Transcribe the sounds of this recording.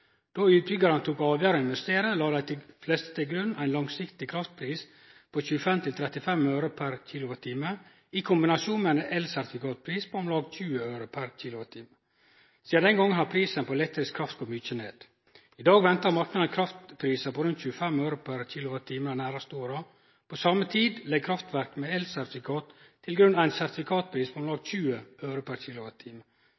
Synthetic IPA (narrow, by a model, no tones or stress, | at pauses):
d̪̥oʉːt̪̚bʏɡɑɾənt̪ʰuːkɑːʋjæːɾɔɪnʋɛst̪eːɾəlɑːd̪æɪt̪ɪflɛst̪ə̥t̪ʰɪlɡɾʉnːæɪnlɑŋsɪkt̪ɪkʰɾɑft̪̚pʰɾiːs | pʰoːçʉːəfɛmt̪ʰɪlt̪ʰɾɛt̪ɪfɛmøʉɾʊpʰæɾçiːlʊʋət̪ʰiːmə | ɪkʰʊmbɪnɑsuːnmɛnɛʔɛlsæɾt̪ʰɪkʰɑt̪̚pʰɾiːspʰoɔmlɑːɡçʉːəøːɾʊpʰæɾc͡çiːlʊʋət̪ʰiːmə | siːɑd̪ɛŋɡɔŋːənhɑɾpʰɾiːsənpɔlɛt̪ːəɾɪskʰɾɑft̪ɡ̥ɔmʏçənḛːd̪̥ | ɪd̪ɑːɡʋɛnt̪əɾmɑɾknɑd̪əkʰɾɑft̪pʰɾiːsəpɔɾʉnt̪çʉːəfɛmœʉɾʊpʰæɾçiːlʊʋɑt̪ʰiːmənənæːɾɑst̪əoːɾɑ | pʰɔsɑmːət̪ʰiːd̪lɛɡ̚kʰɾɑft̪ʋæɾkmeɛlsæɾt̪ɪfɪkʰɑːt̪ʰː | ɪlɡɾʉnːæɪnsæɾt̪ɪfɪkʰɑːt̪̚pʰɾiːspʰɔɔmlɑːɡ̪çʉːəʔœːɾʊpʰæɾçiːlʊʋɑt̪ʰiːmə